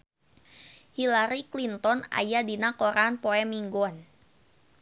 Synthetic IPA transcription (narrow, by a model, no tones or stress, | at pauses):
hilaɾiklint̪ɔna̰jadinakɔɾanpɔɛmiŋɡɔn